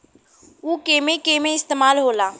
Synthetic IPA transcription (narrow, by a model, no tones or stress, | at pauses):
uːkeːmẽkeːmẽɪst̪eːmaːlɦoːlaː